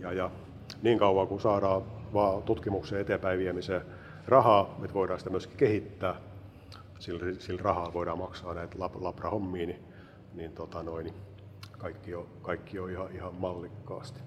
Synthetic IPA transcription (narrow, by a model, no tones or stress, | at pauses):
jɑjɑ | niːŋkɑuʋɑkusɑːɾɑːʋɑːt̪ut̪kimukseːet̪epæiʋiemiseː | rɑhɑːet̪ʋoiɾɑːsit̪æmyøski̥kehit̪ːæː | silrisilrɑhɑlʋoiɾɑːmɑksɑːnæit̪lɑplɑprɑhomːiːni | nint̪ot̪ɑnoini | kɑikːiokɑikːioihɑʔihɑmmɑlːikːɑ̰ːst̪i̥